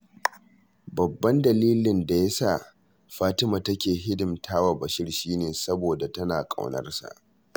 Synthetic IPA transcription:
bɐ˨bːɐ˦ndɐ˨liː˦lɪ˨nda˨jɐ˦saː˦˨ | ɸaː˦tɪ˦ma˨tɐ˦kʲeː˨ɦɪ˦dɪ˨mtʰaː˦wa˨bɐ˨ʃɪ˦rʃiː˦neː˨sɐ˦boː˨da˨tɐ˦naː˨kʼa̰˨wnɐ̰˦rsa̰˨ʔ

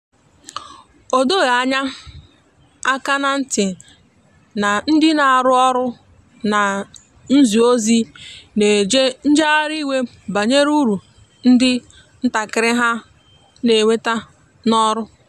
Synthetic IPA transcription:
o˨do˦˨ɣa˨a˨ɲa˦ | a˦ka˦na˦n̩˦tɪ˨ | na˨n̩˦dɪ˦na˨a˨ɾʊ˦ɔ˦ɾʊ˦ | na˨ | n̩˦zi˨o˦zi˦ne˨d͡ʒe˦n̩˦d͡ʒa˦ɾi˦we˦ | ba˨ɲe˦ɾu˦ɾu˨ | n̩˦dɪ˦ | n̩˦ta˨kɪ˨ɾɪ˦ɦa˦ | ne˨we˦ta˦ | nɔ˦ɾʊ˦

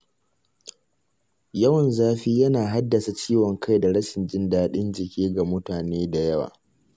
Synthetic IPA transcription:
jɐ˦wɐ˨nzaː˦ɸiː˦jɐ˦naː˨ɦa˦dːɐ˨sa˨t͡ʃiː˦wɔ˨ŋkʰa˦jda˨ɽɐ˦ʃɪ˨nd͡ʒɪ˦ndaː˦ɗɪ˦nd͡ʒɪ˨kʲiː˦ɡa˨mʊ˦taː˨neː˦da˨jɐ˦wa̰ː˨

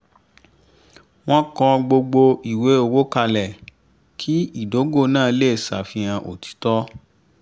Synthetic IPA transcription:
w̃ɔ̃˦kɔ̃˧ɡ͡bo˧ɡ͡bo˧i˨we˨˦o˧˨wo˦ka˧lɛ˨ | kʰi˦i˦˨do˨˦ɡo˦˨nãː˦˨˧le˦˨sa̰˨fĩ˧ã˧ʔo̰˨tʰi̥˨˦tɔ˦

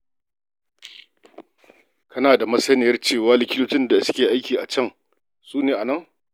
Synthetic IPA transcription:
kʰɐ˦naː˨da˨mɐ˦sɐ˦nɪ˨jɐ˦rt͡ʃeː˦˨waː˦lɪ˨kʲɪ˦toː˦t͡ʃɪ˦nda˨˦sʊ̥˦kʲeː˨ʔa˦jkʲiː˨ʔa̰˨t͡ʃɐ˦˨ŋ | suː˦neː˨ʔa˨nɐ˦˨ŋ

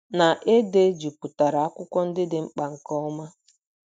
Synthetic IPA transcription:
na˨ʔe˦de˦d͡ʒu˨pu˨ta˨ɾa˨a˦kʷʊ˦kʷɔ˦n̩˦dɪ˦dɪ˦ŋ͡m̩˦k͡pa˨ŋ̩˨kɔ˦ma˦

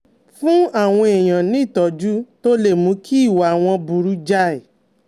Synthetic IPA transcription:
fũ˦a˦˨w̃ɔ̃˧e˨j̃ã˨nĩ˨˦i˦˨tɔ˨˦d͡ʒu˦to˦le˦˨mũ˨˦kʰi˦i˦˨wa˨w̃ɔ̃˧bu˧ɾu˨˦d͡ʒa˦e˨

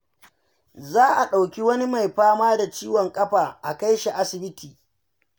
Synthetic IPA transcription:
zaː˦ʔa˨ɗa˨wkʲi˦wɐ˦ni˦ma˨jɸaː˦maː˦da˨t͡ʃiː˦wɔ˨ŋkʼɐ˦ɸaː˨ʔa˨ka˦jʃi˨ʔa˦sɪ˨bɪ˦tʰiː˨

